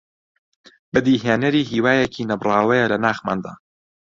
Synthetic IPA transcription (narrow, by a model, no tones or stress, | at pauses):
bɐd̪iːɦeːnɐɾiːɦiːwaːjekʰiːnɐbrˤɑːwɐjɛlɐnaːxma̰ːnd̪a̰ː